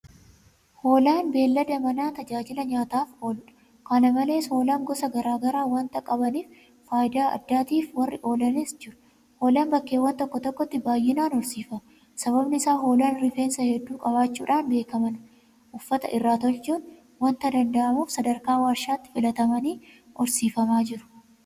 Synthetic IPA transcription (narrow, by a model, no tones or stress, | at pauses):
ho̞ːlaːnbe̞ːlːɐd̪ɐmɐnaːt̪ɐd͡ʒaːd͡ʒɪlɐɲaːt̪aːfo̞ːlʊᶑɐ̥ | kɐnɐmɐle̞ːsho̞ːlaːŋɡɔsɐɡɐɾaːɡɐɾaːwɐnt̪ɐkʼɐbɐniːf | faːjɪd̪aːɐ̰d̪ːaːt̪iːfwɐrːɪʔo̞ːlɐneːsd͡ʒɪɾʊ̥ | ho̞ːlaːnbɐkːe̞ːwːɐnt̪ɔkːɔt̪ɔkːɔt̪ːɪbaːjːɪnaːnɔɾsiːfɐ | sɐβɐbnɪɪsaːɦo̞ːlɐnɾɪfeːnsɐhɛd̪ːuːkʼɐβaːt͡ʃːuːᶑaːnbe̞ːkɐmɐn | ʔʊfːɐt̪ɐ̰ʔɪrːaːt̪ɔlt͡ʃuːn | wɐnt̪ɐd̪ɐnd̪ɐʔɐmuːfsɐd̪ɐɾkaːwaːʃːaːt̪ːɪ̥fɪlɐt̪ɐmɐniː | ʔɔɾsiːfɐmaːd͡ʒɪɾʊ̥